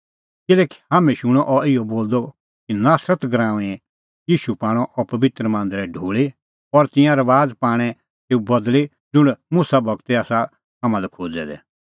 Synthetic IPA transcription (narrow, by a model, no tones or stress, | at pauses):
kɪlɛːki̥haːmɛ̃ʃʊɽ̃ɔʔɔɪjɔboːld̪ɔ | kinaːsɾət̪ɡɾãːũɛ̃ɛ̃ | jiːʃupãːɽ̃ɔ̃ʔɔpɐʋɪt̪ɾəmãːnd̪ɾɛɖʱuːɭi | ɔɾt̪ɪ̃jãɾɐʋaːd͡zpaːɽ̃ɛ | teːubɐd̪li | d͡zʊɽ̃mʊsabʱɐɡt̪ɛaːsa | ɦamãlɛkʰoːd͡zɛd̪ɛ̰